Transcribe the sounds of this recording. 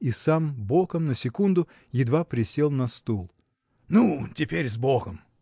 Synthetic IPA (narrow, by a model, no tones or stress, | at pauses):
isambokəmnəsʲɪkund̪ʊ | jɪd̪vapɾʲɪsʲelˠnɐst̪ulˠ | nutʲɪpʲeɾʲzboɣəm